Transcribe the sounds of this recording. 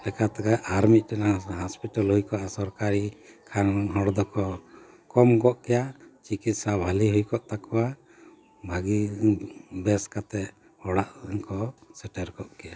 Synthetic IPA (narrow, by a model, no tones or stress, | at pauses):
lɛkat̪akaʔːɾmit̪̚ˀʈɛnaɦɔspiʈalhujkɔasɔɾkaɾikʰanɦɔɽd̪ɔkɔ | kɔmkɔʔkɛjat͡ʃikit̪̚sabʱaliɦujkɔʔt̪akɔwa | bʱaɡi | bɛskat̪ɛʔ | hɔɽaʔŋkɔsɛʈɛɾkɔʔkɛja